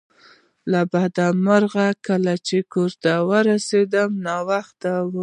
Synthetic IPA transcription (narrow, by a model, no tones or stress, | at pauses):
labad̪amaɾɣakəlat͡ʃekoɾt̪awəɾased̪əmnɑwaxt̪aw